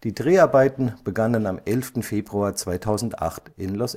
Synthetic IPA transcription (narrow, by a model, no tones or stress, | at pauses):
d̥iːdʁeːaɐbaɪtn̩b̥əɡanənamʔɛlftn̩feːbʁuaːɐt͡sv̥aɪtʰaʊzn̩tʔa̰χtɪnlɔs